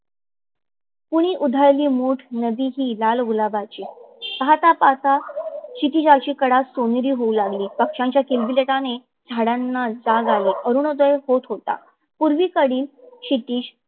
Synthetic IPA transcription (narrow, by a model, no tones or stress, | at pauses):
puɽ̃iːʔud̪ʱaɭliːmuːʈʰnəbiːɦiːlalɡulabat͡ɕiːtat̪apat̪aɕit̪id͡ʑat͡ɕiːkəɽasoniɾiːɦoulaɡliːpəkʂãɲt͡ɕjakilbileʈane | d͡zʱaɽanːad͡zaɡaliːʔəɾuɳəd̪əjehot̪ɦot̪a̰ | puɾʋiːkəɽiːlɕit̪iːɕ